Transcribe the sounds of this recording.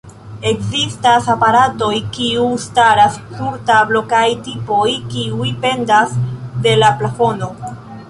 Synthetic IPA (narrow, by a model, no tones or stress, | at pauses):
e̞kzistasapaɾato̞jkiustaɾaskuɾtablo̞kajtipo̞jkiujpe̞ndasde̞laplafo̞no̞